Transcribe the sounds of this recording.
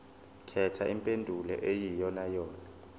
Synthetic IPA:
kʰɛtʰaʔimpʼendʱulɛ̰ʔejijɔnajɔːna

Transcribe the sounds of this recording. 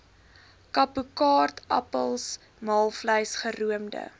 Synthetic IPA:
kɐpukɑːrtʰʔɐ̰pəlˠs | mɑːlˠfləjsχəruəmdə̰

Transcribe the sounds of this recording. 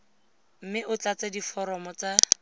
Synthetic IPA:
m̩mɪʔʊt͡ɬat͡sadifɔɾɔmɔt͡sa

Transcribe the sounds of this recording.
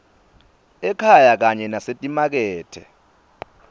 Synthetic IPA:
ɛkʰajak̬aɲɛnasetʼimak̬ɛːtʰɛ̰

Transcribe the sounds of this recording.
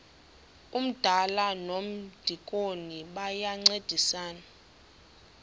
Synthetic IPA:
um̩d̥ʱalanom̩d̥ʱikʼoniɓajaŋ͡ǀed̥ʱisaːna

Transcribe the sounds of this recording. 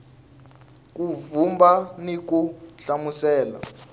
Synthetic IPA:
k̬ʼuvumbanik̬uɬamusɛːla̰

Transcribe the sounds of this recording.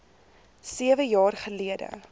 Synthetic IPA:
siəvəjɑːrχəliədə̰

